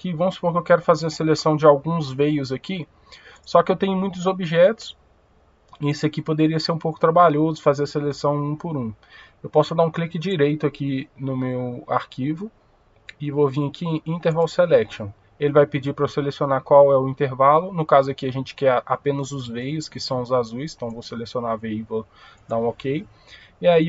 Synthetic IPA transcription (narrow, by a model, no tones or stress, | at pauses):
kɪvɐ̃w̃sʊ̥poɾkɪewkɛɾʊfazeɾɐselesɐ̃w̃d͡ʒɪawɡũzvejʊzɐki | sɔkɪewt̪ẽɲʊmũj̃t̪ʊzobiʒɛt̪ʊ̥s | ɪesɪɐkipod̪eɾiɐseɾũpowkʊ̥t̪ɾabaʎozʊfazeɾɐselesɐ̃w̃ũpʊɾũ | ewpɔsʊd̪aũklikɪd͡ʒiɾejt̪ʊakinʊmewa̰ɾkʰivʊ | ɪvovĩɐkiĩnt̪eɾvalʊselɛkʃõ | elɪvajpɪd͡ʒipɾɐselesionakwawɛʊĩnt̪eɾvalʊnʊkazʊɐkɪaʒẽnt͡ʃɪ̥kɛapẽnɐzʊzvejʊskɪsɐ̃w̃ʊzazujst̪ɐ̃w̃vowselesionavejvo | d̪aũokej | ɪai